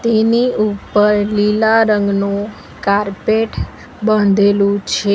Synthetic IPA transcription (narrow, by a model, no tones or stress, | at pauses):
t̪eniupəɾlilaɾəŋɡnũ | kaɾpeʈ | bənd̪ʱelũt͡ʃʰe